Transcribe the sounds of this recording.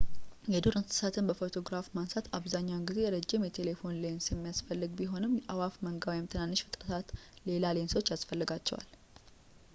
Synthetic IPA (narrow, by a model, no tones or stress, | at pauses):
jɛd̪oɾɨnsɨ̥sat̪ʰɨnbəfo̞t̪ʰo̞ɡɾafmansat̪ʰaβzaɲːawnɡize̞jɾəd͡ʒːɪmjɛt̪ʰe̞le̞fo̞nlensjɛmːijasfəlːɨɡbiɦo̞nɨmjɛʔawafməŋɡawjɛmt̪ʰɨnanːɨʃfɨt̪ʼɾət̪ʰat̪le̞lalenso̞t͡ʃːjasfəlːɨɡat͡ʃːɛ̰wa̰l